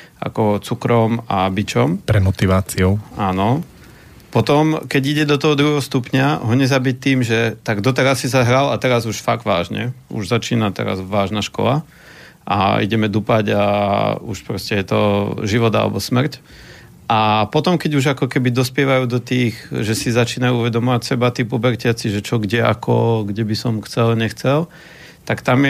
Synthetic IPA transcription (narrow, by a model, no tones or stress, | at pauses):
a̰kɔt͡sukɾɔmabit͡ʃɔmpɾɛmɔt̪iʋaːt͡siɔʊaːnɔ | pɔt̪ɔmkɛɟiɟɛd̪ɔt̪ɔɦɔd̪ɾuɦɛɦɔst̪upɲaɦɔɲɛzabic̚t̪iːmʒɛt̪aɡd̪ɔt̪ɛɾasːizaɦɾalat̪ɛɾazuʃfaɡd̪ʋaːʒɲɛ̰ṵʒzat͡ʃiːnat̪ɛ̰ɾa̰zʋaːʒnaʃkɔ̰la | ʔa̰ḭɟɛmɛd̪upaɟa̰ṵʃpɾɔscɛjɛt̪ɔ̰ʒiʋɔd̪a̰lɛ̰bɔsmr̩c | ʔapɔt̪ɔmkɛɟuʒakɔkɛbid̪ɔspɪɛʋajuːd̪ɔt̪iːɣʒɛsizat͡ʃiːnajuuʋɛd̪ɔmɔʋacsɛbat̪iːpubɛɾcɪat͡siʒɛt͡ʃɔɡɟɛa̰kʰɔ̰ɡɟɛbisɔmxt͡sɛlɲɛxt͡sɛl | t̪akt̪amjɛ